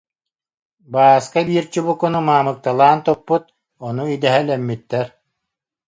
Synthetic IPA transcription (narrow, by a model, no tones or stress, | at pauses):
baːskabiːɾt͡ɕubukɔnumaːmɯk̚t̪alˠaːnt̪ɔpːut̪̚ | ɔnuid̪ɛɦɛlɛmːit̪ːɛɾ